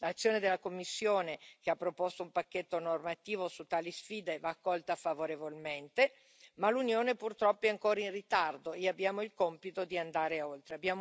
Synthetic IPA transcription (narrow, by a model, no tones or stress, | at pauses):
lat̪sːjoːned̪elːakomːisːjoːnek̟eapːɾopɔst̪oumpakːet̪ːonormat̪iːvosut̪ːaːlisfiːd̪evaːkːɔlt̪afavoɾevolment̪e | malunjoːnepurt̪ɾɔpːoɛaŋkoːɾainrit̪ard̪oeabːjaːmoilkompit̪od̪iand̪aːɾeolt̪ɾeabːjaːm